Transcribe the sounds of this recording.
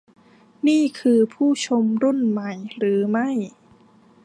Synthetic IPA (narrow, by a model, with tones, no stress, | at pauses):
niː˥˩kʰɯː˧pʰuː˥˩t͡ɕʰo˧mɾu˥˩nma˨˩˦jɾɯː˩˦ma˥˩j